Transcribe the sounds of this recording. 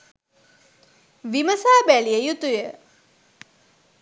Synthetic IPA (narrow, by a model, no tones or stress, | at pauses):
ʋiməsaːbæliəjut̪ujə